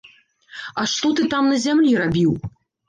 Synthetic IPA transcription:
ɐʂt̪ɔt̪ɨt̪amnɐzʲamlʲiɾabʲiw

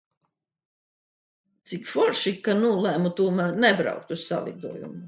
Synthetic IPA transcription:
t̪sikfɔɾʃikːanuːlˠæmut̪uːmanɛbɾɑ̰wk̚t̪ussa̰lˠḭd̪uɔjṵmu

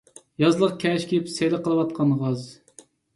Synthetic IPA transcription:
jɑzlˠəqkʲʰɛʃkʲʰipsejlɪqəlˠɨwɑt̪̚qʰɑnʁɑz

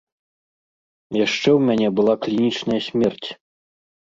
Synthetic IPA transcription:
jaʂt͡ʂɛwmʲanʲɛbɨlˠaklʲinʲit͡ʂnɐjɐsʲmʲɛrt͡sʲ

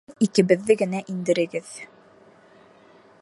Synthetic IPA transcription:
ikɘ̆βɘ̆ðːɘɡɘ̆næʔind̪ɘ̆ɾɘ̆ɡɘð

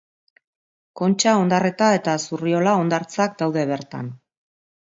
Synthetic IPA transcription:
ko̞nt͡ʃao̞nd̪are̞t̪ae̞t̪asurio̞lao̞nd̪aɾt͡sak̚d̪awðe̞β̞e̞ɾt̪a̰n

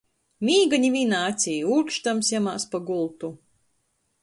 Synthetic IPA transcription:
mʲiːɡaɲiviːnaːt̪sʲijuːkʃt̪amsjamaːspaɡulˠt̪u

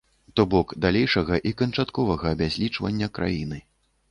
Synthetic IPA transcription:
t̪ɔbɔkd̪alʲejʂɐɣɐʔikɐnt͡ʂat̪kɔvɐɣɐːbʲazʲlʲit͡ʂvɐ̰nʲːɐkɾa̰jinɨ

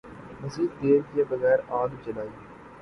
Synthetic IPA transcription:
mɐsiːd̪eːɾkijabɐɣɛːɾãːd̪t͡ʃɐlaːiː

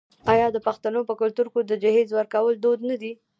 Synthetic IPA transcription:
ɑjɑd̪əpaxt̪anopəkʊlt̪uɾkod̪əd͡ʒahezwəɾkawəld̪od̪nad̪i

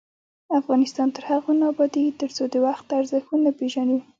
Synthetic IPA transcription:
afɣɑnɪst̪ɑnt̪əɾhaɣonɑbɑd̪it̪əɾt͡sod̪əwaxt̪aɾzɪxunapeʒani

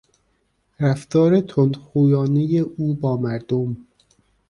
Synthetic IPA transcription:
ɾæft̪ɒːɾet̪ʰond̪xuːjɒːnejeʔuːbɒːmæɾd̪om

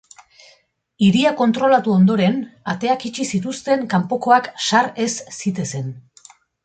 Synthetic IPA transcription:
iɾiako̞nt̪ɾo̞lat̪uo̞nd̪o̞ɾe̞nat̪e̞akit͡ʃisit̪ust̪e̞ŋkampo̞ko̞akʃaɾe̞sːit̪e̞se̞n

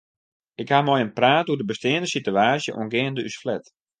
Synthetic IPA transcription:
ɪkhamɔjənpraːtudəbəstɪəndəsityaːsjəʔṵənɡɪːəndəysflɛt

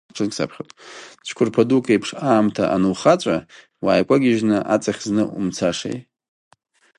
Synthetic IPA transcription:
ʈ͡ʂʰɨnkʲʼsa̰pʰχʲotʼt͡ʃʷʰkʷʰʊrpʰadukʼejpʰʂaːmtʰa̰ʔanɨwχat͡ʃʷʼa | waːjkʷʼaɡʲɪʒnɨʔat͡sʼaχʲznɨumt͡sʰaʂḛjtʼ

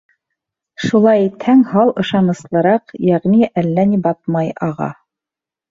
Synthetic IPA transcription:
ʃulˠɑjit̪hæŋhɑlˠɤ̆ʃɑnɤ̆slˠɤ̆ɾɑqjæʁniʔælːænibɑt̪̚mɑjɑʁɑ̰

